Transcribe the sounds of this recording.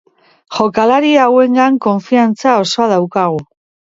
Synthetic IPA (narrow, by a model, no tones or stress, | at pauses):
ʝo̞kalaɾiawe̞ŋɡaŋko̞ɱfiant͡sao̞so̞að̞awkaɣ̞u